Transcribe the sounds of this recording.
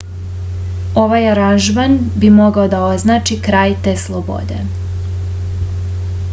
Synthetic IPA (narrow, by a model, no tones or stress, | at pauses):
o̞ʋajaɾanʒmanbimo̞ɡaod̪ao̞znaːt͡ʃikɾaːjt̪eːslˠobo̰d̪e̞̰